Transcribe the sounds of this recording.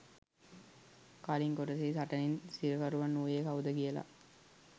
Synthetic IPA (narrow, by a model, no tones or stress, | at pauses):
kaːliŋkoɾɐsiːsɐʈɐninsiɾɐkɐɾuʋɐnːuːjeːkɐʋud̪ɐɡijəla̰